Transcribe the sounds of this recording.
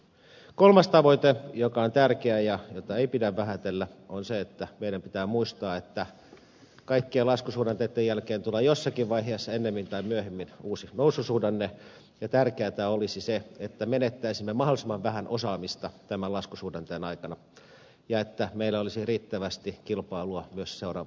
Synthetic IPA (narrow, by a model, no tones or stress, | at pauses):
kolmɑst̪ɑʋoit̪ejokɑont̪ærkeæjɑjot̪ɑeipidæʋʋæɦæt̪elːæonseet̪ːæmeiɾæmpit̪æːmuist̪ɑːet̪ːæ | kɑikːieːlɑskusuːdɑnt̪et̪ːejælkeːnt̪uleːjosːɑkiʋʋɑiɦeːsːɑenːemːint̪ɑimyøhemːinuːsinousːusuːdɑnːe | jɑt̪ærkeæt̪æolisiseet̪ːæmenet̪ːæisimːemɑholisemːɑʋʋæhænʔosɑːmist̪ɑt̪æmælɑskusuːdɑnt̪eːnɑikɑnɑ | jɑet̪ːæmeilːæolisiriːt̪ːæʋæst̪ikilpɑiluɑmyøsseurɑ̰ʋ